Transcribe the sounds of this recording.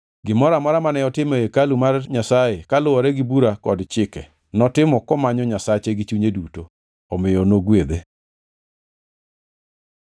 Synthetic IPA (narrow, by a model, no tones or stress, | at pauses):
ɡɪmɔɾamɔɾamanɛɔtɪmekalumarɲasajekalʊɔɾɛɡɪbuɾakɔdt͡ʃɪkɛ | nɔtɪmɔkɔmaɲɔɲasat͡ʃeɡɪt͡ʃuɲeduto | ɔmɪjɔnoɡwed̪e